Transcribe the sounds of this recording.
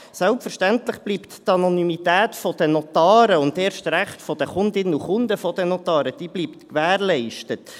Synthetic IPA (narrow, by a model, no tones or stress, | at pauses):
sɛlpfəɾʃtæntləχb̥liːpttɑnɔnymitæːtfɔd̥ənɔt̪ɑːɾəʊnd̪eːɾʃtɾæχtfɔd̥̪əχʊnd̪ɪnuχʊnd̪əfɔd̥ɛnɔt̪ɑːɾəd̥iːbliːpt̪kʋæːɾlɛɪʃtət